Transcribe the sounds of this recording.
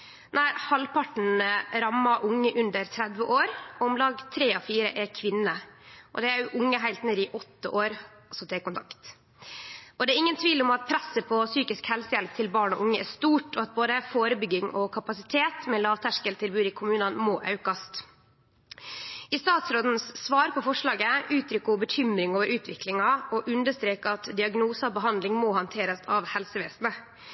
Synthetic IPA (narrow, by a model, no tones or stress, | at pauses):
næɪhɑlpʰɑʈɳ̩ɾɑmːɑʔʊŋːəʔʉnd̪əɾt̪ʰɾɛd̪ʋəʔoːɾɔmlɑːɡt̪ʰɾeːɔfiːɾəʔɛkʰʋɪnəʔɔ̰d̪ɛæɾjʊʔʊŋːəɦæɪlt̪neːd̪ɪʔɔt̪ːə̰ʔoːɾ | sɔd̪ʰɛːkʊnt̪ʰɑkt̪ | ʔɔd̪ɛːɾɪŋːənt̪ʰʋiːlɔmɑt̪̚pʰɾɛsːəpʰɔsyːkɪskhɛlsəjɛlt̪ʰɪlbɑːɳɔ̰ʔʊŋːəʔɛst̪uːʈɔɑt̪̚boːd̪əfoːɾəbʏɡːɪŋʔɔkʰɑpɑsɪt̪ʰeːt̪mɛːlɑːʋt̪ʰæʂkəlt̪ʰɪlbʉːd̪ɪkʰʊmʉːnɑnmɔːʔɑ̰ʉkɑst̪ | ɪst̪ɑːt̪sɾoːd̪n̩sːʋɑːɾpʰɔfɔʂɭɑːɡəʉːt̪ʰɾʏkːʊbəçʏmɾɪŋoːʋəɾʔʉːt̪ʰʋɪklɪŋɑʔɔʔʉnd̪əʂt̪ɾeːkəɑt̪d̪ɪɑɡnuːsɑbəɦɑnd̪lɪŋmɔːhɑnt̪ʰeːɾəsɑʋhɛlsəʋeːsnə